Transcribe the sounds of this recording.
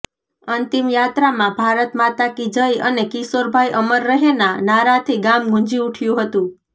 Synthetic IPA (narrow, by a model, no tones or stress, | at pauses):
ənt̪imjat̪ɾamãbʱaɾət̪mat̪akid͡ʒəjənekisoɾbʱajʔəməɾːəɦenanaɾãt̪ʰiɡamɡũɲd͡ʒiuʈʰjũɦət̪ũ